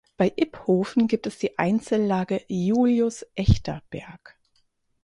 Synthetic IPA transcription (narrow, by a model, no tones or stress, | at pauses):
b̥aɪʔɪphoːfn̩ɡiːp̚tɛsd̥iːʔa̰ɪnt͡səl̩ːaːɡəjuːljʊsʔɛçtʰɐb̥ɛɐk